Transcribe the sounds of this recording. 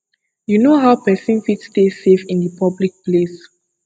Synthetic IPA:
junoɦawpɛsĩnfitstesefĩndəpʰablik̚ples

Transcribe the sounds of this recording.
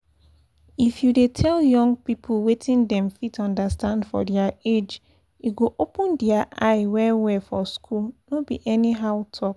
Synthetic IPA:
ifjudetʰɛljɔ̃ŋɡpipʰlwetĩndɛ̃mfitɔ̃ndastãndfɔ̰dɛaed͡ʒ | uɡoʔopə̃ndiaʔaɪwɛwɛfɔskʰulnobḭʔɛniɦaʊtʰɔk

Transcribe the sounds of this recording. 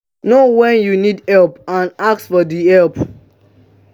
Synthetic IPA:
nowɛ̃njunidɛlpãnak̚sfɔdiɛlp

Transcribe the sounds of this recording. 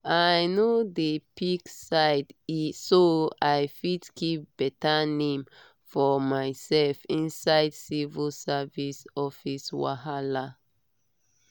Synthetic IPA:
ajnodepiksaɪdisoajfidkʰip̚b̥ɛtanẽm | fɔmajsɛlfĩnsaɪdsivəlsavisɔfiswa̰hala

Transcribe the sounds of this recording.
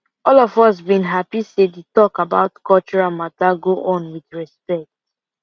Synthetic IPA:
ɔlɔvɔsbĩnɦapisedetɔkaba̰ʊtkɔlt͡ʃɔɹamataɡoʔɔ̃nwidɹɛspɛk̚t

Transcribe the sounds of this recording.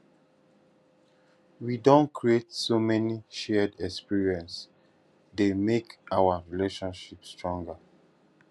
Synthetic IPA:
widõnkʰɹietsomɛniʃɛdɛkspiɹiɛ̃ns | demekawaɹileʃɔ̃nʃipstɹɔ̃ŋɡa

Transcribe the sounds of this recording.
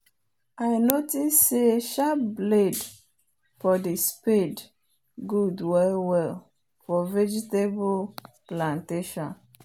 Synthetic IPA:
aɪnotisːeʃapbled | fɔdisped | ɡudwɛlwɛl | fɔvɛd͡ʒitebulplãnteʃɔ̃n

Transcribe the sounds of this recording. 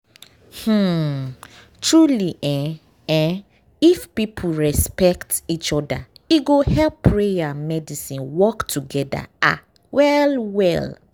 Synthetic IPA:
h̩ | tʰɹuliʔɛ̃ | ɛ̃ | ifpipʰuɹɛspɛktit͡ʃɔda̰iɡohɛlpːɹejamɛdisĩnwɔktʰuɡɛda̰ʔa̰ | wɛlwɛ̰l

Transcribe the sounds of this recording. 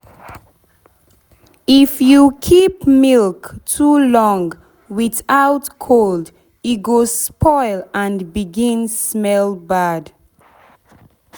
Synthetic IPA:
ifjukʰipmilktʰulɔ̃ŋɡ | wɪθaʊtkʰold | iɡospʰɔɪlãnbiɡĩnsmɛlbad

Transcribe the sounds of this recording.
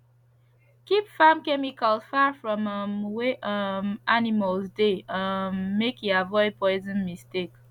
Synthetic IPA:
kipfãmkɛmikəlˠfafɹɔ̃məmweʔʌmʔaniməlˠzdeəmekiavɔɪd̚pʰɔɪzə̃nmistek

